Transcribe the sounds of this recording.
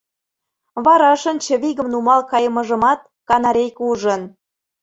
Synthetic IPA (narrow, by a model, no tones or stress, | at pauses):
βɑɾɑʃə̆nt͡ɕə̆βiɣə̆mnumɑlkɑjəmə̆ʒə̆mɑt̪̚ | kɑnɑɾʲejkuʒə̆n